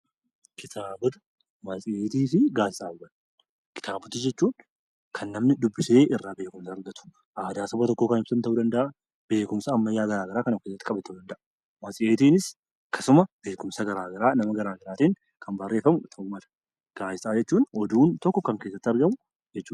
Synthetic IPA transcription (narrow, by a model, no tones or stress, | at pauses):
kʰɪt̪ʰaːbʊt̪ | mɐsʼɪʔeːt̪iːfɪɡaːsɪsʼaːbwɐl | kɪ̥t̪ʰaːbʊt̪ɪd͡ʒɛt͡ʃːuːn | kʰɐnːɐmnɪd̪ʊbːɪse̞ːɪrːaːbe̞ːkʊmsɐːɾɡɐt̪ʊ̥ | ʔaːd̪aːsɔbɐt̪ɔkːoːkɐnɪbsɐnt̪ɐʔuːd̪ɐnd̪ɐʔa | b̥e̞ːkʊmsɐːmːɐjːaːɡɐɾaːɡɐɾaːkɐnɐkːeːsːɐt̪ːɪkʼɐbɛt̪ːɐʊd̪ɐnd̪ɐʔɐ | mɐsʼɪʔeːt̪iːnɪs | kːɐsʊmɐb̥e̞ːkʊmsɐɡɐɾaːɡɐɾaːnɐmɐɡɐɾaːɡɐɾaːt̪iːŋ | kʰɐmbɐrːe̞ːfɐmʊt̪ʰɐʔumɐlɐ̥ | ɡ̥aːsɪsʼaːd͡ʒɛt͡ʃːuːnɔd̪uːnt̪ɔkːɔkɐŋkeːsːɐt̪ːɪɐɾɡɐmʊ | d͡ʒɛt͡ʃːuː